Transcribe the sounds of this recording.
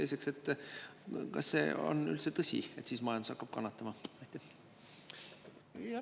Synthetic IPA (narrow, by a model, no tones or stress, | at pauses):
elʲse̞kse̞t̪ːˑ | kɑ̰sːe̞̰ːo̰ny̰lt̪set̪ɤsʲḭe̞t̪siːsmɑjɑnd̪usɑkːɑb̥kɑnːɑt̪ːˑɑmɑɑt̪ʲːˑæ | j